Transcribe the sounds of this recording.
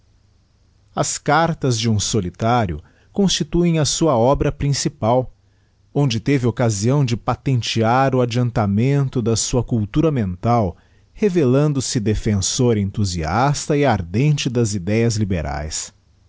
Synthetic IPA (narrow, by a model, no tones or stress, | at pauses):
ɐskaɾt̪ɐzd͡ʒɪũsolit̪aɾjʊ̰ | kõst͡ʃit̪uẽj̃ɐsuɐɔbɾɐpɾĩsipaw | õnd͡ʒɪt̪evɪokaziɐ̃w̃d͡ʒɪpat̪ẽnt͡ʃiaɾʊad͡ʒiɐ̃nt̪amẽnt̪ʊd̪ɐsuɐkuwt̪uɾɐmẽnt̪aw | hevelɐ̃nd̪ʊsɪd̪efẽsoɾẽnt̪uziast̪ɐɪaɾd̪ẽnt͡ʃɪd̪ɐzid̪ɛjɐzlibeɾʔa̰js